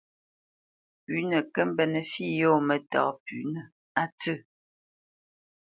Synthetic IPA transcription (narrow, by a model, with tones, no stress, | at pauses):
pʉ˨˦nə˨kə˦m˦bɛ˨nə˨fi˦˨jo˦mə˨tɔ̰˨˦pʉ˨nə˨ | a˦tə˦˨